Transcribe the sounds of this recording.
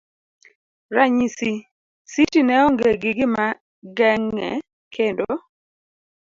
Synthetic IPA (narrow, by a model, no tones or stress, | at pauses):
ɾaɲisi | sitinɛɔŋɡeɡɪɡɪma | ɡɛŋːɛ̰ | kʰendo